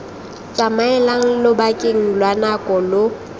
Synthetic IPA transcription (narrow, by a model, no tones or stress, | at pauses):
t͡sʼamaɛlaŋ̩lobakʼɪŋ̩lwanakʼɔlo